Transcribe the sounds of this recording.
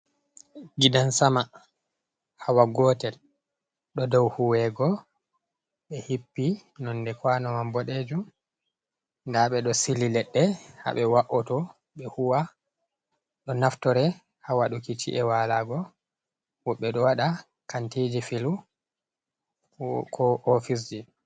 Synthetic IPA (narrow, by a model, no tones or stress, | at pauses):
ɡidansama | hawaɡɔtɛl | ɗɔdɔwhuwɛɡɔ | ɓɛhipːinɔndɛkwanɔmambɔɗed͡ʒum | ndaɓɛɗɔsililɛɗːɛha̰ɓɛwaʔɔtɔ | ɓɛhuwa | ɗɔnaftɔɾɛ | hawaɗukit͡ʃḭʔɛwalaɡɔ | wɔɓːɛɗɔwaɗa | kantid͡ʒifilu | kʰɔʔofis̬d͡ʒi